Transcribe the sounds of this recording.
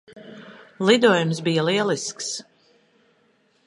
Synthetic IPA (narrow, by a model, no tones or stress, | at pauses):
lˠid̪uɔjumsbijəlˠiɛlˠisks